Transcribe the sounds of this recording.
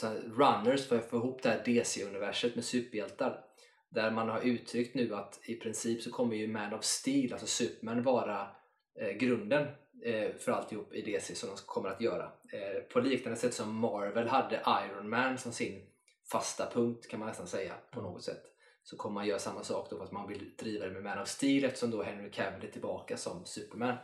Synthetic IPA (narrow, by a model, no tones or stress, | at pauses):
ɛɾanːəɾʂfoːjfoːɪɦuːpːd̪ɛhæɖeːseɵnɪvæʂət̪mɛsʉ̟ːpjɛlt̪aɾ | d̪æɾmanhaɾʉ̟ːt̪ʰɾʏkt̪nʉ̟ːat̪ɪpʰɾɪnsiːpsɔkʰɔmːəɾjɵmænɔvst̪iːlʔalsɔsʉːpmænvɑːɾa | ɡɾɵnd̪ənfœɾalt̪ɪhuːpːɪd̪eːsesɔmd̪ɔmkʰɔmːəɾat̪jœːɾa̰pʰɔliːknand̪əsɛt̪ːsɔmːɑɾvəlɦad̪ːəʔajɾɔnmænsɔmsɪn | fast̪apʰɵŋk̚t̪kʰanmanːɛst̪ansɛjːa̰pʰɔnoːɡɔt̪sɛ̰t̪ː | sɔkʰɔmːəmanjœːɾasamːasɑ̰ːkd̪ɔfast̪manvɪld̪ɾiːvad̪ɛmɛmæːnɔvst̪iːlɛft̪ə̥ʂɔmd̪ɔɦɛŋːəkʰɛvəlɪt̪ʰːɪlbɑːkasɔmsʉ̟ːpəɾmæːn